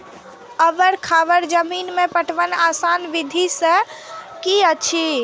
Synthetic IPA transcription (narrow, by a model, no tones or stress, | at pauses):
əʋəɾkʰaʋəɾd͡ʒəminmepəʈʰʋənasanʋid̪ʱisə̃kiət͡ʃʰi